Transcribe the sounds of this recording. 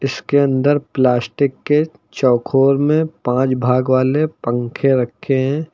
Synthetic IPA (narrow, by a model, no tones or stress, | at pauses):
ɪskeɐ̃nd̪əɾplaːsʈɪkːe | t͡ʃɔːkʰoːɾmẽpãːt͡ʃbʱaːɡʋaːlepə̃ŋkʰeɾɐkʰːeɦɛ̃ː